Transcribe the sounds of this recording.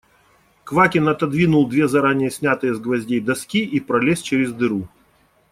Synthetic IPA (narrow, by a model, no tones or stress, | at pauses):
kvakʲɪnɐt̪ɐd̪vʲinʊlˠd̪vʲe̞zɐɾanʲɪjəsʲnʲat̪ɨjəzɡvɐzʲdʲejd̪ɐskʲiʔipɾɐlʲesʲt͡ɕeɾʲɪzd̪ɨɾu